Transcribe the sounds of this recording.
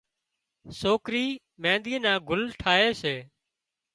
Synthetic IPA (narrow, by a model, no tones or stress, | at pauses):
soːkɾiː | mẽːnd̪iːnãːɡʱʊlʈʰaːɦeːseː